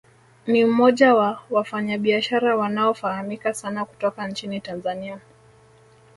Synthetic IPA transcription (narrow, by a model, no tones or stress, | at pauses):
niumɔʄawawafaɲaɓiaʃaɾawanaɔfahamikasanaku̥tɔkant͡ʃinitanzania